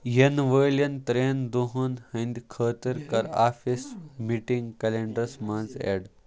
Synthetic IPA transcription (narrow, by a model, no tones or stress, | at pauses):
jenʋəlɐnt̪ɾend̪uɦunhɐ̃nd̪ʲkʰəːt̪iɾkɐɾaːfismiʈĩŋɡkɐleɳɖɾəsmanzḛɽ